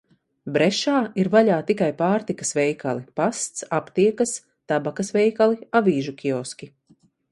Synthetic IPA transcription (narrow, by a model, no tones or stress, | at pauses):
bɾɛʃaːiɾvaʎaːt̪ikajpaːɾt̪ikɐ̥svɛjkalˠipast̪sapt̪iɛkas | t̪abakasvɛjkalˠiaviːʒukʲʰiɔskʲi